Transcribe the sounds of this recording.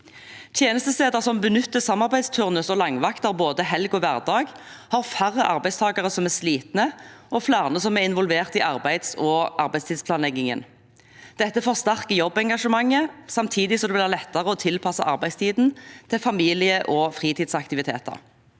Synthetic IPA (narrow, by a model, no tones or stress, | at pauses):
t̪ʰjeːnəst̪əst̪eːd̪əʁsɔmbənʏt̪ːəsɑmːɑʁbæɪst̪ʰʉʁnəsɔlɑŋʋɑkt̪ɑʁboːd̪əɦɛlɡɔʋæʁd̪ɑːɡ | hɑʁfæʁəʔɑʁbæɪst̪ʰɑːɡɑʁəsɔmɛʁsliːt̪nəɔflæːʁnəsɔmæɪnʋɔlʋeːʁt̪ɪʔɑʁbæɪd̪sɔʔɑʁbæɪst̪ʰiːspʰlɑːnlɛɡːɪŋə̰n | d̪̥ɛt̪ːəfoːʁst̪æʁkəjɔbːɛŋɡɑʂəmɑŋːəsɑmt̪ʰiːd̪ɪsɔmd̪ɛʋɪlæʁlɛt̪ːɑʁəɔt̪ʰɪlpʰɑsɑ̰ʔɑʁbæɪst̪ʰiːd̪n̩t̪ʰɪlfɑmiːlɪəʔɔfʁiːt̪iːd̪sɑk̚t̪ɪʋɪt̪ʰḛːt̪ə̰ʁ